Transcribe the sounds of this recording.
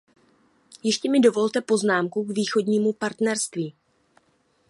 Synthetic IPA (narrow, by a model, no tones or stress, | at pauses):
jɪʃcɛmɪdo̞vo̞lt̪ɛpo̞znaːmkukviːxo̞dɲiːmupaɾt̪nɛɾst̪viː